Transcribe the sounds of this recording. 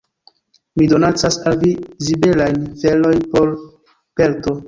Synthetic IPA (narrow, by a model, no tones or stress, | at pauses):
mido̞nat͡sasalvizibelajnfelo̞jnpo̞l | pelto̞